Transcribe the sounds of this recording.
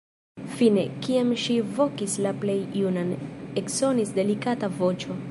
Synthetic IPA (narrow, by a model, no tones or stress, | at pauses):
fine̞kiamʃivo̞kislaple̞junanekso̞nisde̞likatavo̞t͡ʃo̞